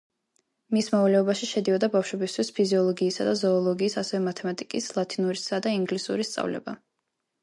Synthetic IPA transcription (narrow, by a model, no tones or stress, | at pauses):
mismɔvalɛɔbaʃiʃɛd̪iɔd̪abafʃwɛbist̪ʰwispʰiziɔlˠɔɡiːsa̰d̪azɔːlˠɔɡiːsasɛvɛmat̪ʰɛmat̪ʼikʼislˠat̪ʰinuɾisad̪aiŋɡlisṵɾist̪sʼa̰vlɛ̰ba